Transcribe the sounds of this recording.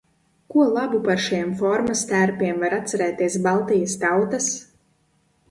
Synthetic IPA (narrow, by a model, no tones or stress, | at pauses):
kuɔlˠabupaɾʃijɛmfɔɾmast̪æɾpʲiɛmvaɾat̪saɾɛːt̪iɛsbalˠt̪ijast̪awt̪as